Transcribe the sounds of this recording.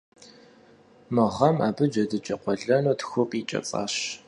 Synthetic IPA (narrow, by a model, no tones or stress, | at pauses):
mɨʁɐma̰ːbɨd͡ʒɐdɨt͡ʃʼɐqʷɔɮɐnotxʷʊpʼiːt͡ʃʼɐ̰t͡sʼa̰ːɕ